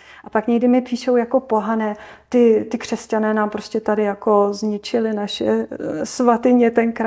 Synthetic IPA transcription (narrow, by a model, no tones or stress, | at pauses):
ʔapakɲɛɡdɪmɪpiːʃo̞wjako̞po̞ɦanɛːt̪ɪt̪ɪkr̥ɛscanɛːnaːmpɾo̞scʲɛt̪adɪjako̞zɲɪt͡ʃɪlɪnaʃɛsvat̪ɪɲɛt̪ɛnkɾa